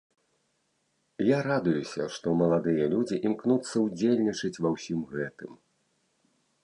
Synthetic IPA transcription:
jaɾad̪ujusʲɐʂt̪ɔmɐlˠad̪ɨjɐlʲud͡zʲiʔimknut̪sːɐud͡zʲelʲnʲit͡ʂɨt͡sʲvawsʲimɣɛt̪ɨm

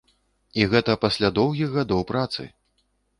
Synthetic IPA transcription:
iɣɛt̪ɐpasʲlʲad̪ɔwɣʲiɣɣad̪ɔwpɾat̪sɨ̰

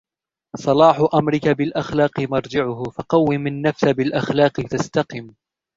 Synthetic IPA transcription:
sˤɑlɑːħʊʔamɾɪkabɪlʔaxlɑːqɨmɑɾˤd͡ʒɪʕʊhʊfɑqɑwːɪmɪnːafsabɪlʔaxlɑːqɨt̪ast̪aqɪm

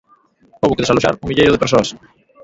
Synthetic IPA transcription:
oβʊkeðesaloʃa̰ɾuŋmiʎejɾʊðepeɾsoɐs

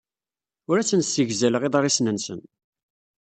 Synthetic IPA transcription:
ʊɾæt͡sːənsəʝzæləʁeðˤɑɾˤisnənsə̰n

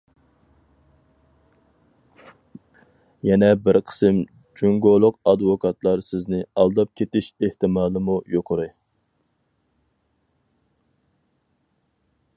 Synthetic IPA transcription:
jɛnɛbɪɾqʰə̥sɨm | d͡ʒuŋɡolˠʊqɑd̪vokʰɑt̪lˠɑɾsɪznɪɑlˠd̪ɑp̚kʲʰet̪ɪʃeht̪ɪmɑːlˠɨmujoqʰʊɾɨ

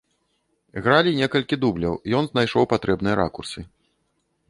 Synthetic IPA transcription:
ɣɾalʲinʲɛkɐlʲkʲid̪ublʲɐwjɔnznajʂɔwpat̪ɾɛbnɨjɐɾʔa̰kursɨ

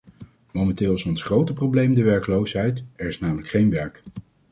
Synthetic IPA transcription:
mowmɛntɪːlˠsɔnsχrowtəprowblejmdəʋɛɹkəlowsɦɛjtɛɹɪsnaːmələkχejnʋɛɹk

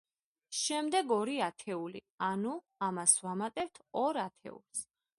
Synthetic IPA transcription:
ʃɛmd̪ɛɡɔɾiat̪ʰɛulḭ | anu | amasvamat̪ʼɛpt̪ʰɔɾat̪ʰɛ̰ṵlˠs

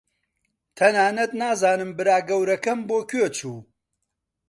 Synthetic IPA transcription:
t̪ʰɐnaːnɐt̪naːzaːnɨmbɨɾaːɡɐwɾɐkɐmboːkʰøt͡ʃʰuː

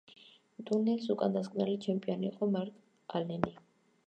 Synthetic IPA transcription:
d̪ʼunɛlsukʼand̪askʼmnɛlit͡ʃʰɛmpʼiɔniːqʼɔmaɾt̪ʰʼ | alɛni

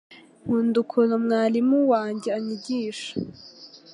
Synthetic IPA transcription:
mundukʰunomŋaːlimuwaːɲɟeaɲiɟiːʃḁ

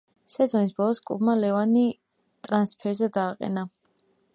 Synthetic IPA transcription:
sɛzɔnisb̥ɔlˠɔskʼṵbmalɛvani | t̪ʼɾanspʰɛɾzɛd̪aːqʼɛ̰na

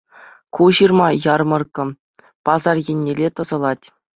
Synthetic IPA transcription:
kuʑirmɑjɑrmɤ̆rkɤ̆ | pɑzɑrjenʲːelʲet̪ɤ̆zɤ̆lˠɑtʲ

